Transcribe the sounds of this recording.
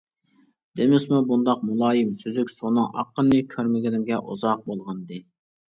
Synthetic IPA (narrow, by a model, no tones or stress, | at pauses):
d̪̥emɪsmubund̪ɑq̚mulˠɑːjimsyzykʲsonɨŋɑ̰qːənːɨkʲʰøɾmɪɡʲinɪŋɡʲɛʔuzɑq̚bolˠʁɑnd̪ɨ